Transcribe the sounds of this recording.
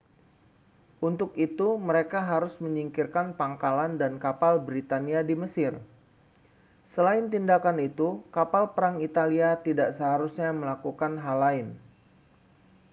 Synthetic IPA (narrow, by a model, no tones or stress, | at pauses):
ʔunt̪ʊkit̪uməɾekaɦaɾʊsməɲiŋkɪrkanpaŋkalandankapalbɾit̪aniadiməsɪr | səlaɪnt̪indakanit̪ukapalpəɾaŋit̪aliat̪idaʔsəɦaɾusɲaməlakukanɦalaɪn